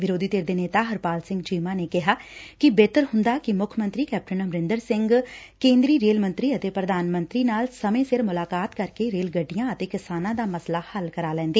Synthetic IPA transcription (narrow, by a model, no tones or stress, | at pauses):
ʋɪɾoːd̪iːt̪eːɾd̪eːneːt̪aːɦəɾpaːlsɪ̃ŋɡt͡ʃiːmãːneːkɪɦaːkɪbeːt̪əɾɦʊ̃nd̪aːkɪmʊkʰmə̃nt̪ɾiːkɛːp̚ʈənəmɾɪ̃nd̪əɾsɪ̃ŋɡkẽːnd̪ɾiːɾeːlmə̃nt̪ɾiːət̪eːpɾəd̪aːnmə̃nt̪ɾiːnaːlsəmẽːsɪɾmʊlaːkaːt̪kəɾkeːɾeːlɡəɖːijãːət̪eːkɪsaːnãːd̪aːməslaːhəlkəɾaːlɛ̃ːnd̪eː